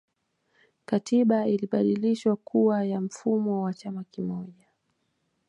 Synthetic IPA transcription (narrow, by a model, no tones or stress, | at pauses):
katiɓailiɓaɗiliʃwakʰuajam̩fumɔwat͡ʃamakimɔʄa